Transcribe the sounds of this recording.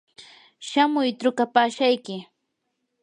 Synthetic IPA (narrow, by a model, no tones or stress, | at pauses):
ʃamʊjt̪ɾʊkapaːʃajkɪ